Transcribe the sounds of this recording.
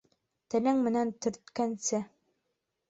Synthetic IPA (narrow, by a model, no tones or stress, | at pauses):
t̪ɘ̆læŋmɘ̆nænt̪ɵ̆ɾt̪kænsɘ